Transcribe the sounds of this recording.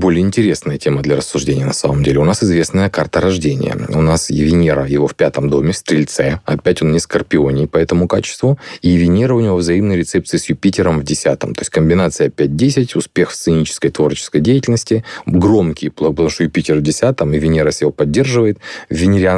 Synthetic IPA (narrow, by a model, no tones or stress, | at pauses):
bo̞lʲɪjəɪnʲtʲɪɾʲe̞snəjətʲe̞məd̪lʲɐɾəsːʊʐdʲenʲɪjənɐsaməmdʲelʲɪʊnasɨzvʲe̞snəjəkart̪əɾɐʐdʲenʲɪ̰jə̰ʊ̰nasjɪvʲɪnʲeɾəjɪvo̞fpʲat̪əmd̪o̞mʲɪfst̪ɾʲɪlʲt̪sɛɐpʲætʲo̞nnʲɪskərpʲɪo̞nʲɪjpɐɛt̪əmʊkat͡ɕɪ̥st̪vʊijɪvʲɪnʲeɾəʊnʲɪvo̞vzɐimnəjɾʲɪt̪sɛp̚t̪sɨɪsjʊpʲitʲɪɾəmvdʲɪsʲat̪ə̰mt̪o̞sʲtʲkəmʲbʲɪnat̪sɨjɐpʲæt̚ʲdʲesʲɪtʲʊspʲe̞xfst̪sɨnʲit͡ɕɪ̥skəjt̪vo̞rt͡ɕɪ̥skəjdʲejɪtʲɪlʲnəsʲtʲɪɡro̞mkʲɪjplˠɐpət̪ɐmuʂt̪ojʊpʲitʲɪrvdʲɪsʲat̪əmɪvʲɪnʲeɾəsʲjɪvopɐdʲːe̞rʐɨvəjɪt̪vʲɪnʲɪɾʲa